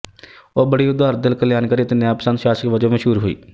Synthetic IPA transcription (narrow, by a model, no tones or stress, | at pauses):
oːbəɽiːʊd̪aːɾd̪ɪlkəljaːnkəɾiːt̪enjãːpəsənt̪ʃaːsəkʋəd͡ʒõːməʃɦuːɾɦoḭː